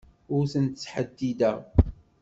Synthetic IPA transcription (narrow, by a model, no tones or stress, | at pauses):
ʊɾθənt̪t͡sːħəd̪ːid̪æ